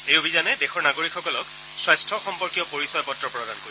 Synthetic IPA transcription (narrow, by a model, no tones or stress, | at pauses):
ejobʱizanɛdexɔɹnaɡoɹikʰxɔkɔlɔk | swajstʰɔxɔmpɔɹkijɔpoɹisɔjɔpɔtɹɔpɹɔdankoɹi